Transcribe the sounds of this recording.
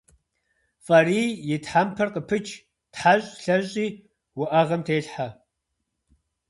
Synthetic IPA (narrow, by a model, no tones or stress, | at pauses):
fʼɐriːjɪtħampʰɐrqəpʰɨt͡ʃʼʰ | tħaɕʼɬɐʑʼiː | wʊʔɐʁɐmtʰeːɬħa